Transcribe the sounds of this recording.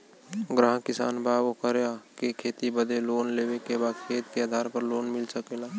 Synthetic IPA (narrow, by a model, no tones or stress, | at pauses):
ɡɾãːɦkɪsa̰ːnbʱaːbokəɾjakekʰeːt̪ibəd̪eloːnleːʋekebaːd̪kʰeːt̪keaːd̪ʱaːɾpəɾloːnmɪlsəkelaː